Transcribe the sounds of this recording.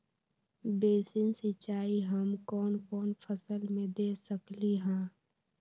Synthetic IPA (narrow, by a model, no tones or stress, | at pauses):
beːsɪnsɪt͡ʃaːiɦəmkɔːnkɔːnpʰəsəlmẽd̪eːsəkliɦɛ̃ː